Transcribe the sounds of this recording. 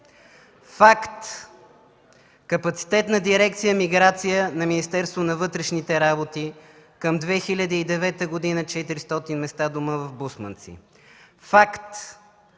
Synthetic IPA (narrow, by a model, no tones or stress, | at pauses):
fakt̪ | kɐpɐt̪si̥t̪ɛt̪nɐd̪iɾɛkt̪sijəmiɡɾat̪sijənɐminist̪ɛɾst̪vonɐvɤt̪ɾɛʃnit̪ɛɾabot̪i | kəmd̪vɛxilʲəd̪iːd̪ɛvɛt̪əɡod̪inət͡ʃɛt̪iɾist̪ɔt̪inmɛst̪ad̪uməvɐvbusmə̰nt̪sḭ | fakt̪